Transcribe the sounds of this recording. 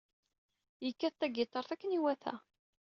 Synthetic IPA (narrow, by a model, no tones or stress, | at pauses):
jəkːæθt̪ːæɡit̪ˤɑɾˤθækːəniwæθæ̰